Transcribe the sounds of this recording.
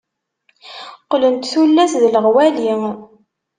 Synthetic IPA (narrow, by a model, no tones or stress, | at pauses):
qlənt̪θulːæθðləʁwæli